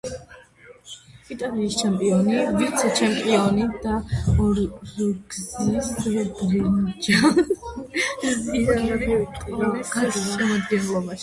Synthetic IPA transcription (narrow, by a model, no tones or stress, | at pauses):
it̪ʼaliːst͡ʃʰɛmpʼiɔniviɾt̪sʰɛt͡ʃʰɛmpʼiɔnid̪̥aɔɾluɡzisɛbɾind͡ʒa | ziaatʰɛt̪ʼiɾaɡaʃɛmɔd̪ɡɛnlˠɔbaʃi̥